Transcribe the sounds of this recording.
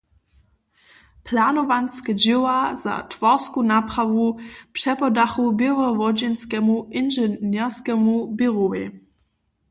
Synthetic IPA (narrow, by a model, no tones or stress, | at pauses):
pʰlanɔʋanskɛd͡ʒɪwaza̰tʋɔʁskunapʁaʋupʂɛpɔdaxubɪʁɔʋɔd͡ʒɛnskɛmuʔɪnʒɛnɛʁskɛmubɪʁowḛ